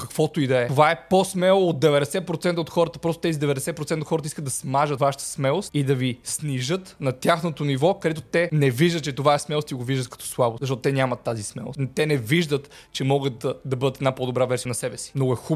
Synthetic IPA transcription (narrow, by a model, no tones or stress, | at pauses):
kɐkvɔt̪oid̪ɐɛt̪ovaɛposmɛlˠoot̪̚d̪ɛvɛd̪ɛsɛt̪̚pɾot̪sɛnt̪əot̪xɔɾət̪əpɾɔst̪o̥t̪ɛzid̪ɛvɛd̪ɛsɛt̪pɾot̪ɛnt̪oxɔɾət̪iskəd̪d̪ɐsmaʒət̪vaʃə̥t̪ə̥smɛlˠost̪id̪ɐvisniʒɤt̪nɐt̪ʲjaxnot̪onivɔkɐd̪ɛt̪ot̪ɛnɛviʒd̪ət̪t͡ʃɛt̪ovaɛsmɛlˠost̪iɡoviʒd̪ət̪kɐ̥t̪ɔ̥slˠabozɐʃt̪ɔt̪ot̪ɛnʲamɐt̪ːazismɛ̰lˠo̰st̪ɛnɛviʒd̪ət̪t͡ʃɛmɔɡət̪d̪ɐbɤd̪ət̪ɛd̪napɔd̪obɾavɛɾsijənɐsɛbɛsi̥mnoɡʊɛxu